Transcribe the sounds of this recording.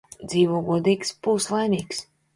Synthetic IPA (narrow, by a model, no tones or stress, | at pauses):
d̪ziːvuɡuɔd̪iːkspuːslˠajnʲiːks